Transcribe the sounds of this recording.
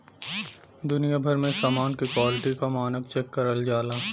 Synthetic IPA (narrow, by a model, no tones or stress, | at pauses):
d̪ʊnijabʱɐɾmẽsaːmaːnkikwaːlɪʈikamaːnək̚t͡ʃɛkːɐɾəld͡ʒaːlaː